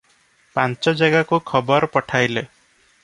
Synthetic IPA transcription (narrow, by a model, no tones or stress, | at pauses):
pant͡ʃɔd͡ʒaɡakukʰɔbɔɾpɔʈʰajle